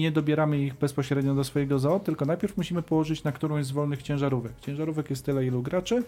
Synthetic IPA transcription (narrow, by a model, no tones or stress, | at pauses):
ɲɛd̪ɔbʲjɛɾamɘiɣbɛspɔɕɾɛd̪ɲɔd̪ɔsfɔjɛɡɔzɔɔt̪ːɘlkɔnajpʲjɛɾfmuɕimɘpɔwɔʐɘt͡ɕnakt̪uɾɔ̃w̃jzvɔlnɘxt͡ɕɛ̃w̃ʐaɾuvɛkt͡ɕɛ̃w̃ʐaɾuvɛkjɛst̪ːɘlɛiluɡɾat͡ʂɘ